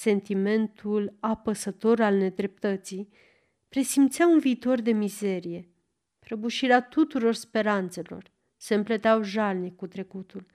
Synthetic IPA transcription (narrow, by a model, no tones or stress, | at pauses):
se̞nt̪ime̞nt̪ʰulapəsət̪o̞ɾalne̞d̪ɾe̞p̚t̪ət̪si | pɾe̞simt̪seaunviːt̪o̞rd̪e̞mize̞ɾije̞ | pɾəbuʃiɾeat̪ut̪uɾo̞rspe̞ɾant̪se̞lo̞̰r | se̞ɨmplət̪eawʒalnikut̪ɾe̞kut̪ul